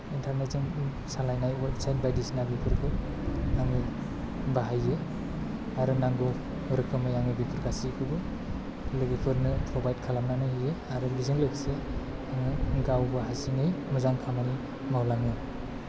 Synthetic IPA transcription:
intʰaɾnet̚zɯŋ | salajnajbsajtbajdisnabipʰɯɾkʰɯ | naŋlɯ | baɦajːe | aɾɯnaŋɡɯw | ɾɯkʰɯmajaŋɯbipʰɯɾkasikʰɯbɯ | lɯɡipʰɯɾnɯtʰɔbajt̚kʰalamnanɯijeaɾɯbizɯŋlɯkseaŋɯɡawbɯɦasinɯjmɯzaŋkʰamani | mawlaŋɯ

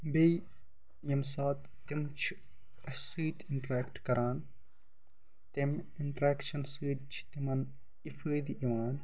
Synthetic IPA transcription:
be | jɐmsaːt̪ːimt͡ʃʰ | ɐsɨːt̪iɳʈɾeːkʈkɐɾaːn | t̪im | iɳʈɾeːkʃɐnsɨːd̪̚t͡ʃʰi̥t̪imɐn | ifʰɨːd̪iʔiʋaːn

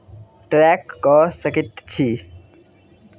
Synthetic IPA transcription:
ʈɾɛːkːɔːsəkit̪t͡ʃʰi

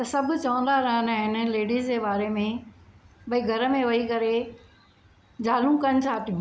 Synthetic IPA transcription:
t̪ɐsɐbʱʊ̆t͡ɕɐʋə̃nd̪aɾɐɦənɦɪn̆leːɖiːzd͡ʑeːbaːɾemẽ | bɐiɡʱɐɾə̆mẽʋɐikɐɾe | d͡ʑaːlũkɐnɪt͡ɕʰaːt̪ʰijũː

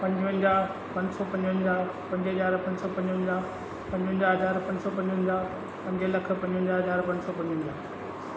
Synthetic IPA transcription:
pɐ̃ɲd͡ʑʋə̃nd͡ʑaː | pɐ̃ɲd͡ʑsɔpɐ̃ɲd͡ʑə̃nd͡ʑaː | pɐ̃ɲd͡ʑɦɐzaːɾpɐ̃ɲd͡ʑsɔpɐ̃ɲd͡ʑʋə̃nd͡ʑaː | pɐ̃ɲd͡ʑɦə̃nd͡ʑaːɦɐzaːɾpɐ̃ɲd͡ʑsɔpɐ̃ɲd͡ʑʋnd͡ʑaː | pɐ̃ɲd͡ʑəlɐk̆ʰpɐ̃ɲd͡ʑɦə̃nd͡ʑaːɦɐzaːɾpɐ̃ɲsɔpɐ̃ɲd͡ʑʋə̃nd͡ʑaː

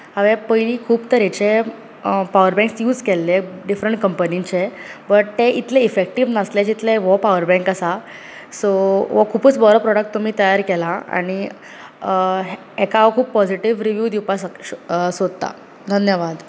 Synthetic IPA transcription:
ɦəʋẽpəjliːkʰuːbt̪əɾet͡ɕe | paʋəɾbɛ̃ŋksjuːd͡zkelːeɖifɾəɳʈ̚kəmpənint͡ɕebəʈt̪eʔit̪leifek̚ʈiʋnəsled͡ʑit̪leʋɔpaʋəɾbɛ̃ŋkasa | soʋɔkʰuːpət͡sbɔɾəpɾɔɽək̚ʈ̚t̪ːum̤iːt̪əjaɾkɛlaa̰ɽ̃i | ɦ | ɦɛkaokʰuːpːɔd͡ziʈiʋɾiʋjuːd̪iwpassod̪̚t̪a̰ | d̪ʱənjəʋad̪

